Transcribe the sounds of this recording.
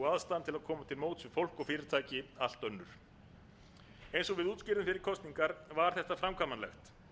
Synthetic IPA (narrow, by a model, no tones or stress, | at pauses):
aðst̪ant̪ʰɪlaðkʰɔːmat̪ʰɪlmoːwt̪sɪfowl̥kɔɣfɪːɾɪɾ̥t̪ʰaːjcɪal̥t̪œnːʏɾ̥ | ejnsɔɣvɪðuːt̪scɪɾðʏmfɪɾɪɾ̥kʰɔst̪niŋkaɾvaɾ̥θɛht̪afɾamkʰvaːmanlɛxt̪